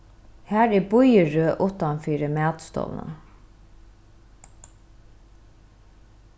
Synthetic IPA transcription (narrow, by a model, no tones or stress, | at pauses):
hæːɹɛbʊjəɹøːʔʊt̪ɑnfiːɾəmæːd̪st̪ɔ̰ʋnə̰